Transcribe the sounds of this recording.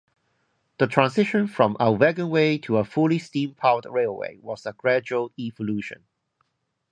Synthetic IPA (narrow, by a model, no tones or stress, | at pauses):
ðətʰɹ̥ãnsɪʃə̃nfɹɔ̃malvɛɡə̃nweɪtʰəəfulistĩmpʰaʊdɹeɪlˠwḛɪwɔzəɡɹæd͡ʒuəlivəluʃə̰̃n